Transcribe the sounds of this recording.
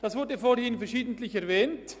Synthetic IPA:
d̥asvʊɾdəfoːɾhɪnfɛɐʃiːdn̩tlɪçɛʁvɛːnt

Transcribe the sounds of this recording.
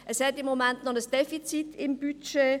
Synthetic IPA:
ʔɛshɛtɪmːomɛntnɔχəsd̥efit͡sitɪmb̥yt͡ʃe

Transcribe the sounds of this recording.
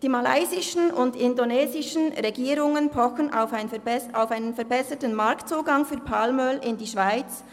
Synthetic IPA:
d̥iːmala̰ɪzɪʃn̩ʊndɪndoneːzɪʃnʁeɡiːɾʊŋənpʰɔxənaʊfɪnsaʊfaɪnənfɛɐbɛsətənmɑɾktt͡suːɡɑŋfyːpʰalmœlɪndiːʃv̥aɪt͡s

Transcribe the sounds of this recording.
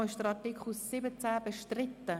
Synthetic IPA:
ɪʃd̥əɾɑɾtikʰχl̩sːɪbət͡sæːb̥əʃtrɪt̪ːə

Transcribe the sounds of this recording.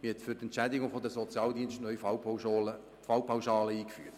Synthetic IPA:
mihɛt̪fytɛntt͡ʃædɪɡʊŋfod̪əsɔt͡sjɑːld̪iənsʃtnœʏlə | fɑwpʰawʃɑːləiːkfy̰ːt

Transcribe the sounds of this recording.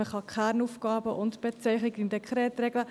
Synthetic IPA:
əχɑkʰæːɾnufkɑːbəʔʊntb̥ɛt͡sɛɪχnɪkɪndɛkʰɾɛːt̪ɾɛɡlə

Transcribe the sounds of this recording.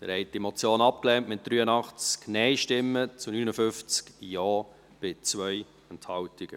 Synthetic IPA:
d̥ə̰ɾhɛɪt̚dimot͡sjoːnɑp̚klɛntmɪt̚d̥ɾyːənɑχt͡sknɛɪʃtɪmːət͡sunynəfʏft͡skjɔː | b̥ɪt͡svœj | ɛnthɑʊtɪɡ̥ə̰

